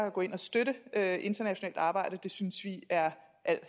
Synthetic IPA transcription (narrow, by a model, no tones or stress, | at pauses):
æɡ̥ɔ̽ːe̝nɒsd̥øɾəøʔe̝nd̥ɐnæɕo̝nɛ̰ːld̥ɑ̈ːb̥ɑ̈ɪ̰ɾ̥əd̥e̝synsʋiæɐ | ʔæl̰